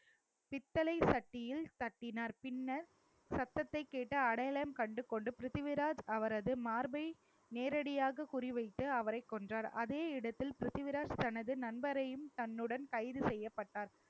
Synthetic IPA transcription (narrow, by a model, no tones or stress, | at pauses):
pɪt̪ːɐlɐɪsɐʈːɪjɪlt̪ɐʈːɪnaːɾpɪnːɐɾ | sɐt̪ːɐt̪ːɐɪkːeːʈːɐɐɽɐjɐlɐjɐmkɐɳɖɯkːɔɳɖɯpɪɾɪðɪʋɪɾaːd͡ʒɐʋɐɾɐðɯmaːɾbɐɪ | neːɾɐɽɪjaːɣɐkʊrɪʋɐɪt̪ːɯɐʋɐɾɐɪkːɔndraːɾɐðeːɪɽɐt̪ːɪlpɪɾɪðɪʋɪɾaːd͡ʒt̪ɐnɐðɯnɐnbɐɾɐjɯmt̪ɐnːɯɽɐnkɐɪðɯsɛjːɐpːɐʈːaːɾ